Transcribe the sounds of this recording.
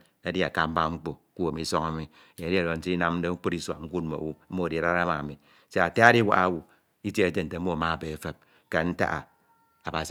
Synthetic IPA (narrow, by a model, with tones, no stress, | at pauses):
a˦di˦a˨ka˦m̩˦ba˦ŋ͡m̩˦k͡po˨˦ku˦a˨mi˨˦sɔ˦ŋa˦mi˦˨ | je˨˦di˦a˨ɾo˨n̩˨ti˦i˦na˦mn̩˦de˦u˦k͡pu˦ɾi˦swa̰˨ŋ͡m̩˦ku˦t̚m̩mo̰˨wu˦m̩˦o˦a˨di˨a˨ɾa˦ɾa˦ma˨a˨mi˨ | se˦a˨ta˦a˦di˦wa̰˦ʔa˦wu˨ | i˦te˦e˦d͡ʒe˦n̩˨te˨˦o˦a˨ma˦˨be˨˦fe˦p̚ | ke˨n̩˦ta̰˦ʔa̰˨ | a˨ba˨s